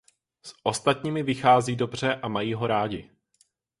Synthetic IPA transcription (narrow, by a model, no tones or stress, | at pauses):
sʔo̞st̪at̪ɲiːmɪvɪxaːziːdo̞br̝ɛʔamajiːɦo̞ɾaːɟɪ